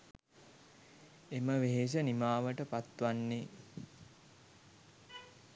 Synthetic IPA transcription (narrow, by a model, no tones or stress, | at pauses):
eməʋeɦeʃ̬ənimaːʋəʈəpat̪ʋanːe